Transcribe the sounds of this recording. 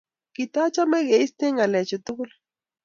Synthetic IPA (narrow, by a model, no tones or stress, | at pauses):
kit̪at͡ʃameɡeist̪eŋalet͡ʃut̪ukul